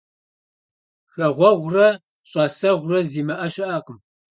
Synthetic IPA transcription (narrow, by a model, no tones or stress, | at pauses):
xɐʁʷɔʁʷrɐ | ɕʼɑːsɐʁʷʊrɐziːmɐʔɐʃɪʔaːqəm